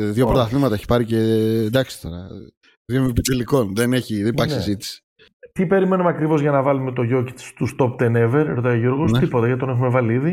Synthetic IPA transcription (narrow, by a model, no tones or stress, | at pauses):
ðjo̞pɾot̪ɐθnimɐt̪ɐeçi̥pɐɾicend̪ɐksi̥t̪o̞̰ɾɐ̰ | ðjompit͡s̪eliko̞nðeneçiðenpɐkssezit̪i̥si̥ | t̪ipe̞ɾime̞numeɐkɾivo̞zʝɐnɐvɐlume̞t̪o̞ʝo̞cit̪st̪ust̪o̞p̚d̪eneve̞ɾeɾot̪ɐjoʝoɾɣost̪ipot̪ɐʝɐt̪it̪one̞xume̞vɐliiði